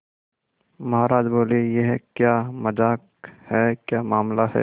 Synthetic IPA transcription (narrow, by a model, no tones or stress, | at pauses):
mɐɦaːɾaːd͡ʒboːlejeɦkjaːmɐd͡ʒaːk | hɛːkjaːmaːmlahɛ̰ː